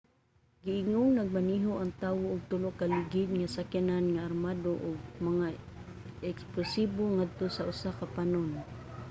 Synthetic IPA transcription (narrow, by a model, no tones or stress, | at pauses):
ɡɪʔɪŋoŋnaɡ̚maniɦoʔaŋt̪aːwoːɡ̚t̪ʊloʔkaliɡɪd̪̚ŋasakananŋaarmadoʔʊɡ̚maŋa | ɛksplʊsiboŋad̪̚t̪osaʔʊsakapanon